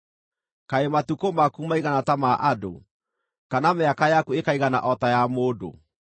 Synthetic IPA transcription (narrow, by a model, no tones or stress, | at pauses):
kaematukomakumaiɣanatamaʔado̰ | kanameakajakuekaiɣana̰ʔɔtajamoːdo̰